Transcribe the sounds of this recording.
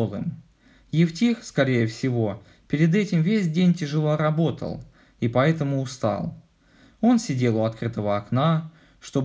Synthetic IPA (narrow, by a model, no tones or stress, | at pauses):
lˠɨ̰m | jɪftʲixskɐɾʲejəfsʲɪvo̞ | pʲɪɾʲɪd̪ɛtʲɪmvʲesʲdʲenʲtʲɪʐɨlˠoɾɐbo̞t̪ə̰lˠ | ipɐɛt̪əmʊːst̪ɑ̰lˠ | o̞nsʲɪdʲe̞lˠʊɐt̪kɾɨt̪əvəɐkna | ʂt̪o̞